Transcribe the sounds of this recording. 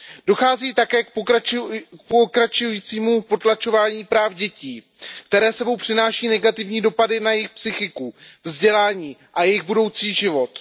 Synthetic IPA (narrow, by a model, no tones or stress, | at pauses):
d̥o̞xaːziːt̪akɛːk̚ | pokɾat͡ʃujiːt͡siːmupo̞t̪lat͡ʃovaːɲiːpɾaːfɟɛciː | kt̪ɛɾɛːsɛbo̞wpr̥ɪnaːʃiːnɛɡat̪ɪvɲiːdo̞padɪnajɪxpsɪxɪkuvzɟɛlaːɲiːʔajɛjɪɣbudo̞wt͡siːʒɪvo̞t̪